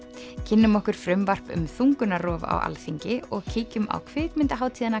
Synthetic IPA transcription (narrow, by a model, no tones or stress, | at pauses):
cʰɪnːʏmɔhkʏɾ̥fɾœmvar̥pʏ̰mθuŋkʏnarɔːva̰a̰wʔa̰lθiɲcɪɔɣcʰiːcʏma̰wkʰvɪːkmɪnt̪aɦaːwt̪ʰiːðana